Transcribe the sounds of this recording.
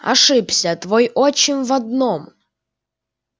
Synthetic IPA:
ɐ̰ʂɨpsʲət̪vojɔt͡ɕɪnʲvɐd̪̚nom

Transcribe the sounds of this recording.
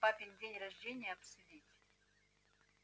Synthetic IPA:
apʲɪnʲdʲenʲrɐʐdʲenʲɪjəɐpsʊdʲitʲ

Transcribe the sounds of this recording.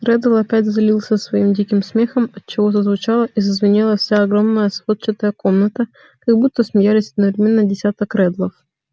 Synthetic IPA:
rɛd̪əlˠɐpʲætʲzɐlʲilˠsʲəsvɐimdʲikʲɪmsmʲexəmɐt̪̚t͡ɕːɪvozəzvʊt͡ɕalˠəʔizəzvʲɪnʲilˠəfsʲaɐɡɾomnəjəsvot̪̚t͡ɕɪt̪əjəkomnət̪ə | kɐɡbut̪ːəsmʲɪjalʲɪsʲɐd̪nəvɾʲɪmʲenːədʲɪsʲat̪əkɾɛd̪lˠəf

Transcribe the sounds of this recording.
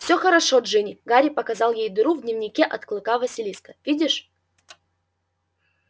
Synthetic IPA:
fsʲoxəɾɐʂoʐɨnʲɪɡaɾʲɪpɐkɐzɑlˠjejd̪ɨɾuvd̪ʲnʲɪvnʲɪkʲeʔɐt̪klˠɨkavɐsʲɪlʲisk̪ə̥vʲidʲɪʂ

